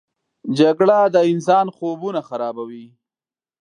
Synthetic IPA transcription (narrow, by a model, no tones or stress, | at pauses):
d͡ʒaɡɽad̪əɪnsɑnxobunaxaɾɑbawi